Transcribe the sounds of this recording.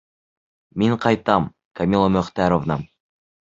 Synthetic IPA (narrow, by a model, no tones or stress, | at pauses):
miɴqʰɑjt̪ɑm | kɐmʲilˠomɵχt̪æɾovnɑ